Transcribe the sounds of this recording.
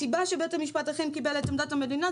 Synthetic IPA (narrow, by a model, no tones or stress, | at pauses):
ibaʃebet̪emiʃpat̪aχemkibelet̪amd̪athame̞d̪ina